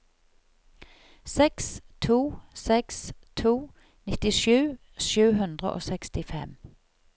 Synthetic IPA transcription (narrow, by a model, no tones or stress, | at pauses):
sɛkst̪ʰuːsɛkst̪ʰuː | nɪt̪ɪʃʉː | ʃʉːhʉnd̪ʁə̰ʔo̰ːsɛkst̪ɪfɛ̰m